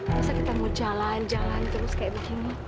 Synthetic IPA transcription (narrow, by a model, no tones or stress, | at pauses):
basakit̪amud͡ʒaland͡ʒaŋant̪əɾʊskaɛʔbikina